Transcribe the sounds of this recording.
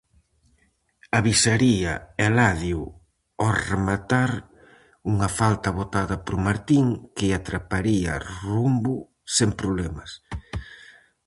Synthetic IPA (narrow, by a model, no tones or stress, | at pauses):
aβisaɾiɐɛlaðju | ɔremat̪aɾ | uŋɐfalt̪ɐβot̪aðɐpɾʊmaɾt̪iŋkɪat̪ɾapaɾiɐ̰rumbʊ | sempɾoβlɛmɐs